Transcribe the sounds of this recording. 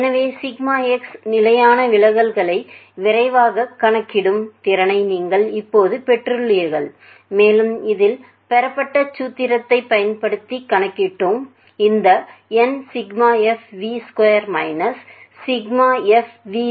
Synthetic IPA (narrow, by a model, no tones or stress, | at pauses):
ɛnɐʋeːsɪɡmaːɛksnɪlɐjaːnɐʋɪɭɐɣɐɭɣɐɭɐɪʋɪɾɐɪʋaːɣɐkːɐɳɐkːɪɽɯmt̪ɪɾɐnɐɪniːŋɡɐɭɪpːoːðɯpɛʈrɯɭɪjɐɣɐɭ | meːlɯmɪðɪl | pɛɾɐpːɐʈːɐt͡ʃːuːt̪ːɪɾɐt̪ːɐɪpːɐjɐnpɐɽɯt̪ːikːɐɳɐkːɪʈːɯm | ɪnd̪ɐɛnsɪɡmaːɛfʋiskwɐjɐɾmɐɪnɐsː | ɪɡmaːɛfʋi